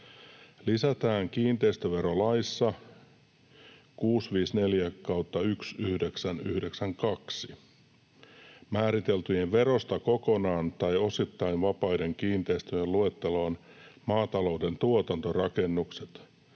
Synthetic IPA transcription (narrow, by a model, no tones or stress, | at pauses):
lisæt̪æːŋkiːnt̪eist̪øʋe̞ɾo̞lɑisːɑ | kuːsʋiːsne̞ljækɑwt̪ːɑyksyhde̞ksænyhdeksæŋkɑksi | mæːɾit̪e̞lt̪yjeʋʋe̞ɾo̞st̪ɑko̞ko̞nɑːnt̪ɑjo̞sit̪ːɑiʋʋɑpɑjde̞ŋkiːnt̪e̞ist̪øjelue̞t̪ːeloːn | mɑːt̪ɑlo̞wde̞nt̪uot̪ɑnt̪o̞rɑke̞nːukset̪